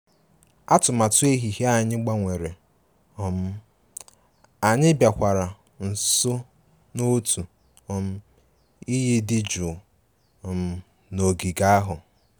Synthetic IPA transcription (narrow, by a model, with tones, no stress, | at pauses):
a˦tʊ˨ma˨tʊ˦e˦ɦi˨ɦe˦a˦ɲɪ˦ɡ͡ba˦ŋʷe˨ɾe˨ | ɔ˨m̩˦ | a˨ɲɪ˦bja˨kʷa˨ɾa˨ | n̩˨so˦ | no˦tu˨ | ɔ˨m̩˦ | i˦ji˦dɪ˦d͡ʒʊ˨ | ɔ˨m̩˦ | no˨ɡi˨ɡa˦a˦ɦʊ˨